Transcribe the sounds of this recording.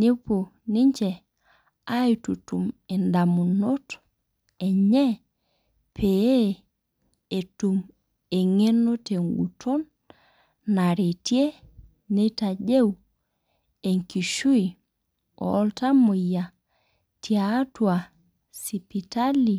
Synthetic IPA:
ne˦po˨ | ni˦ɲt͡ʃɛ˨ | a˦jtu˨tu˨mɛ˨nda˨mu˨no˦t | ɛ˨ɲɛ˦ | pʰe˨e˦ | e˨tu˨m | e˨ŋe˦no˦te˨ŋɡṵ˨tʰo˦nː | a˨ɾe˨tje˦ | ne˦ta˨d͡ʒe˦w | e˨ŋki˨ʃu˦i˨ | ɔ̰˦lta˦mo˨ja˨ | tia˦twa˨ | si˨pi˨ta˦li˨

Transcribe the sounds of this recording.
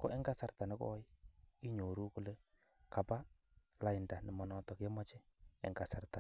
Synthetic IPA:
ko˦ʔɛ˦ŋɡa˦sa˨rta˨nɛ˦kɔ̰˦ji˦ɲo˨ɾu˦ku˦le˦ | ka˨pa˦ | la˨˦ɪ˨nda˨nɪ˨mɔ˨nɔ˦tɔ˨kjɛ˦mɔ˦t͡ʃɪ˦ɛ̰˨ŋɡa˨sa˨rt̪a˨

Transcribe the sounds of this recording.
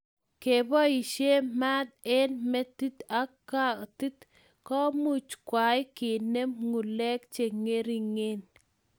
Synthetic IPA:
ke˨bɔ˦i˨ʃje˦ma˦de˦nmɛ˦t̪i˦t̪a˨˦ka˦t̪i˦t̪ | kɔ˦mu˦˨t͡ʃkwa˨jkɪ˨ne˦mŋu˨lɛ˦kt͡ʃe˨ŋe˦ɾi˨ŋe˦n

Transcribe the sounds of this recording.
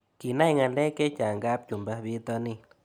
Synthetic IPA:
ki˨na˦jŋa˨nle˦ke˦t͡ʃa˨ŋɡa˦p̚t͡ʃu˨mba˦bi˦t̪o˧ni˧

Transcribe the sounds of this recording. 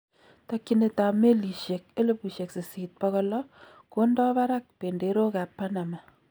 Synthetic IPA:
ta˦kːi˦ne˨ta˨me˦li˨ʃje˨k̚e˦le˦pu˨ʃe˨kse˨si˨t̚pɔ˦kɔ˦lɔ˦ | ko˦ndɔ˦pa˦ɾa˦k̚pe˨nde˨ɾo˦ka˨pːa˦na˨ma˨

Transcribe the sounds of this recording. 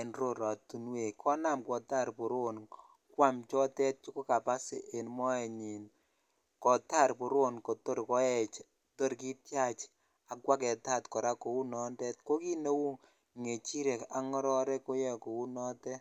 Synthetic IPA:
e˨nɾo˦˨ɾɔ˨tu˨nwe˨kʰɔ˦na˦˨mkwɔ˨ta˦˨ɾpo˨ɾo˦n | kwa˦mt͡ʃɔ˦tɛ˦t̚t͡ʃu˦ko˦ka˨pa˦sɪ̰˨ʔe˨nmɔ˦ɛ˨ɲi˨n | kɔ˨ta˦˨ɾpo˨ɾo˦nko˨to˦ɾkɔ˨˦ɛ˦˨t͡ʃ | to˦ɾki˦tja˦t͡ʃ | a˨kwa˦kɛ˨ta˦˨tkɔ˨ɾa˦ko˨wu˦nɔ˨˦ndɛ˦t̚ko˦ki˦ne˦wu˦ | ŋe˨t͡ʃi˦ɾɛ˨ka˨ŋɔ˦ɾɔ˦ɾɛ˦ko˦jɛ˦ko˨u˦nɔ˦tɛ˦

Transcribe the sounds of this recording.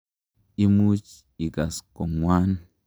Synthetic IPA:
i˦mu˦t͡ʃ | i˨ɡa˨sko˨ŋwa˦n

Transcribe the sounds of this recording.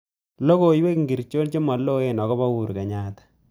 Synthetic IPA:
lo˦ko˨i˦we˦kŋɡi˨ɾt͡ʃo˦nt͡ʃe˦mɔ˨lːo˦e˦nɔ˨kɔ˦pa˦wu˨ɾke˨ɲa˦˨tḁ˨

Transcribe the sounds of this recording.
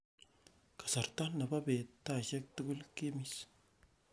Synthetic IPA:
kḁ˨sa˨ɾt̪a˦na˨ba˦be˨t̪ːa˦˨ʃe˦k̚t̪u˦ɡu˦lki˦mi˦s

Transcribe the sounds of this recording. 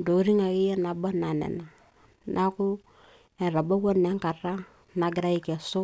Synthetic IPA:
do˨˦ɾi˦ŋa˨ki˦jɛ˦na˨ba˦na˨nɛ̰˨na˨ | nʔa˦kʊ˦ | ɛ˨ɾa˨ba˦wo˦nɛ˦ŋka˨ɾa˦ | na˨ɡɪ˦ɾa˦i˦kɛ˨sʊ˦

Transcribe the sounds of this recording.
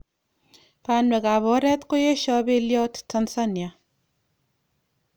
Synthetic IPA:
pa˨˦nwɛ˨ka˨βɔ˨˦ɾɛ˦t̪ko˦je˦ʃɔ˦be˦ljɔ˦tta˧nsa˦nja˨

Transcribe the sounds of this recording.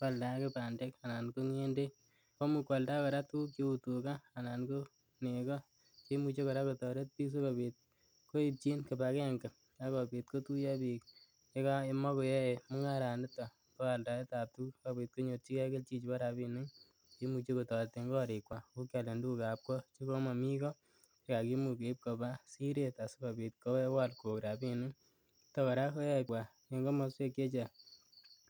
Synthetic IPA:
kwa˨lda˨˦kepa˨nde˦ka˨na˨nko˦ŋe˦nde˦ | ko˦mu˨kwa˨lda˦kɔ˨ɾa˦tu˦kjo˦u˨tu˨kaː˦˨na˨nko˦ | ne˨kɔ˦ | t͡ʃe˦mu˧t͡ʃe˦kɔ˨ɾa˦kotɔ˨ɾe˦t̚pi˦s̬u˦ka˨pi˨t̚ | ko˦i˦p̚t͡ʃi˦nke˨pa˨kɛ˦˨ŋka˨ | a˦kɔ˨pi˨t̚ko˦tu˦ja˦pi˨k | e˦ka˦e˦mɔ˦ko˨jɛ˦e˨mʊ˦ŋa˦ɾa˨ndɪ˦tɔ˨ | tɔ˦a˨lda˨e˦ta˨p̚tu˦kka˦bi˨˧t̚ko˦ɲo˧tt͡ʃi˦kɛ˦ke˦lt͡ʃi˦t͡ʃi˦pa˦ɾa˨bi˦nu˦ŋ | ki˦mu˧t͡ʃe˦ku˨tɔ˨te˧ŋɡɔ˦ɾi˨kwa˨ku˦kja˨le˨ndu˦ku˨ka˨p̚kɔ˦t͡ʃi˦ko˦ma˨mi˦kɔ˦ | e˦ka˨ki˦mu˨ke˨˦p̚ko˨ba˦si˦ɾe˨ta˨skɔ˨pi˨t̚kɔ˦wɛ˦wa˦lko˨kɾa˨bi˦nu˦ | tɔ˨ka˨ɾa˦ko˦jɛ˦kwa˨ | e˨ŋɡo˦ma˦swe˦kje˦t͡ʃa˨

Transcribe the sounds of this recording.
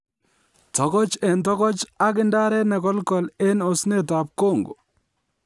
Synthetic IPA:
tɔ˨kɔ˦t͡ʃɛ˨ntɔ˦kɔ˦t͡ʃa˦ɡɪ˦nda˦ɾɛ˦nɛ˨kɔ˦lkɔ˨le˦no˨sne˦ta˨p̚ko˦˨ŋɡo̰˨

